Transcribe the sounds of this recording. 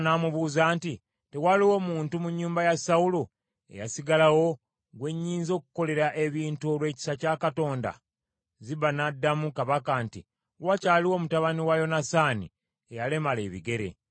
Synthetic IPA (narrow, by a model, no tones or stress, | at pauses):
naːmuβuːzaːnti | te̞waliwo̞muːntumuɲːuːmbajasaulo | ḛjasiɡalawo̞ | ɡwe̞ɲːiːnzo̞ːku̥ko̞le̞ɾaʔe̞βiːntuo̞lwe̞ːci̥sacaːkato̞ːnda̰ | ziβanadːamukaβakaːnti | wacaːliwo̞mutaβaniwajo̞nasaːnḭ | ejale̞male̞̰ːβḭɡe̞ɾe̞̰